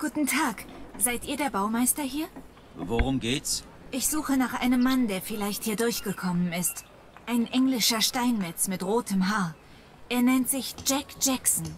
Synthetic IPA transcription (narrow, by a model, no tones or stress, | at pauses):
ɡ̥uːtn̩tʰaːkz̥aɪtʔiːɐdeːɐbaʊmaɪstɐɦiːɐ | voʁʊmɡeːts | ʔɪçz̥uːxənaːχʔa̰ɪnəmːandeːɐfɪlaɪçthiːɐdʊɐçɡ̥əkʰɔmənɪst | ʔaɪnʔɛŋlɪʃɐʃtaɪnmɛt͡smɪtʁoːtʰəmɦaːɐ | ʔeːɐnɛntz̥ɪç̥d͡ʒ̥ɛkd͡ʒ̥ɛksn̩